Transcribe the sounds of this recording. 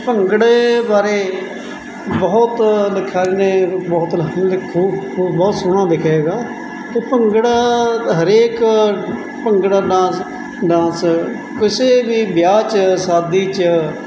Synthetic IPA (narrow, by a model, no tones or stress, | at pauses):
pəŋɡəɽebaːɾeː | bɔːʊt̪lɪkʰːaːɾiːnẽːbɔːt̪lɪkʰːuːbɔːt̪sʊɽ̃ãːd̪ɪkʰeːɡaː | t̪eːpəŋɡəɽaːɦəɾeːk | pəŋɡɽaːɖãː | ɖãːs | kɪseːbiːbjaːt͡ʃsaːd̪iːt͡ʃə